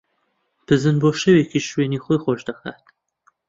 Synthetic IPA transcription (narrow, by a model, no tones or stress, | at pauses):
pʰɨzɨnboːʃɐwekiʃweːnixojxoʃd̪ɐxa̰ːt̪